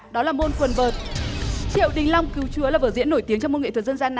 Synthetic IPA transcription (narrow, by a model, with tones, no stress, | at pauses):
ɗɔ˨˦laː˨˩mo˧nkwə˨˩nvəː˨˩t̚t͡ɕḭ˧˨əwɗï˨˩ŋ̟la˧wŋ͡mki˨˦wt͡ɕɨ˨˦əlaː˨˩vəː˧˩zḭ˧˥ənːo˧˩jt̪i˨˦əŋt͡ɕɔ˧wŋ͡mo˧nŋḭ˧˨t̪ʰːzə˧nzaː˧na˨